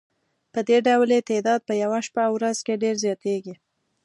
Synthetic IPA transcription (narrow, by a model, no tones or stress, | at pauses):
pəd̪eɖawlet̪ed̪ɑd̪̚pəjawaʃpawɾazkeɖeɾzjɑt̪eɡi